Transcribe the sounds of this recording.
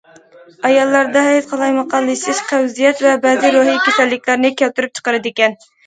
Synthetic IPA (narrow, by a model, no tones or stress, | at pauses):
ɑjɑlˠːɑɾd̪ɑɦɛjt̪qʰɑlˠɑjmɑqʰɑlˠːɨʃɪʃqʰæwzijɛt̪vɛbɛːzɨɾoɦikʲesɛlːɪkʲlæɾnɪkʲʰælt̪yɾyp̚t͡ʃʰə̥qəɾɨd̪ɪkʲɛn